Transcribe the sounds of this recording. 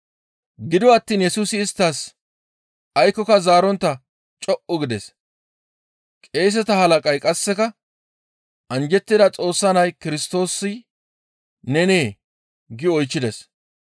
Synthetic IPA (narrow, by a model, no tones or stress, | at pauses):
ɡɪd̪ɔɐt̪ːiːnjɛsuːsɪːst̪ːɐs | ɐjkːɔkɐzaːɾɔnt̪ːɐ | t͡ʃʼɔʔʊɡɪd̪ɛs | kʼe̞ːs̬ɛt̪ɐhɐlɐkʼɐjkʼɐsːɛkɐ | ɐnd͡ʒɛt̪ːɪd̪ɐt͡sʼo̞ːsːɐnɐjkɪɾɪst̪o̞ːsːɪ | nɛne̞ː | ɡɪɔjt͡ʃːɪd̪ɛs